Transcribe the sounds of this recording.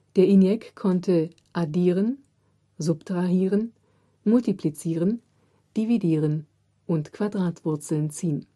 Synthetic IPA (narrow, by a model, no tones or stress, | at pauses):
d̥eːɐʔinjɛkkʰːɔntʰə | ʔadiːʁən | zʊptʁ̥aɦiːʁən | mʊltiplit͡siːʁən | d̥ividiːʁən | ʔʊntkv̥adʁaːtv̥ʊɐt͡sl̩nt͡siːən